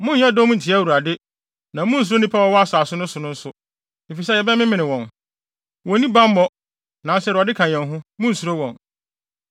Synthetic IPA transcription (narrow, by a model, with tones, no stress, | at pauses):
mʊ̃˦ɲ˦jɛ˦dɔ˦mʊ̃˦n̩˨tʰɪ˨˦æ˦wu˨ɾa˨dɪ˦ | nã˨˦mʊ̃˦n̩˨s̬u˨ɾo˦nĩ˦pʰa˦wɔ˨˦wɔ˦a˦sa˨sʊ˦nʊ̃˦sʊ˨nʊ̃˦n̩˦sʊ˦ | e˨fi˨sɛ˦jɛ˨bɛ˦mɪ̃˦mɪ̃˨nɪ̃˨wɔ̃˨n | wɔ̃˨nĩ˦bã˦m˦mɔ˦ | nã˨˦sɛ˦ɾu˨a˨dɪ˦kʰã˨ɲ̃˨ɛ̃˨nɦʊ̃˦mʊ̃˦n̩˨su˨ɾo˦wɔ̃˨n